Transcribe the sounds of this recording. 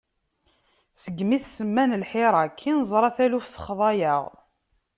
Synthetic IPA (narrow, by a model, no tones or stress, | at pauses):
səɡmiθsəmːænəlħɪɾˤɑkʰːinzˤɾˤɑθælufθə̥χðˤɑjəʁ